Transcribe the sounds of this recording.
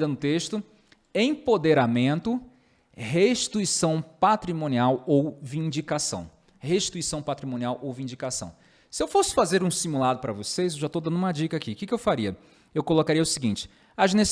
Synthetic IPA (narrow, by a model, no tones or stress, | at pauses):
d̪ɐ̃nʊt̪eʃt̪ʊ | ẽj̃pod̪eɾamẽnt̪ʊ | heʃit̪uisɐ̃w̃pat̪ɾimõniawowvĩd͡ʒikasɐ̰̃w̃ | heʃt̪uisɐ̃w̃pat̪ɾimõniawʔowvĩd͡ʒikasɐ̰̃w̃ | sɪewfosɪ̥fazeɾũsimulad̪ʊpɾɐvosejzewʒat̪od̪ɐ̃nd̪ʊũmɐd͡ʒikɐakikɪkɪewfaɾiɐ | ewkolokaɾiɐʊsiɡĩnt͡ʃɪ̥ | ɐʒnes